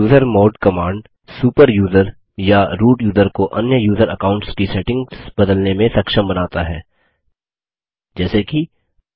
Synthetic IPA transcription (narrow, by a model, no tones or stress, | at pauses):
juːzəɾmoːɖkɐmaːɳɖ | suːpəɾjuːzəɾ | jaɾuːʈjuːzəɾkoʔɐ̰njəjuːzəɾɐ̰kaːʊ̃ɳʈskisɛʈɪ̃ŋɡsbɐd̪əlnemẽsɐkʃəmbɐnaːt̪aɦɛ̰ː | d͡ʒɛːseki